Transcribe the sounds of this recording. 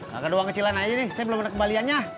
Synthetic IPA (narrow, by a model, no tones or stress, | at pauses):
ka̰kadoaŋkət͡ʃilanainɪhsajabəlomanakəmbalianɲa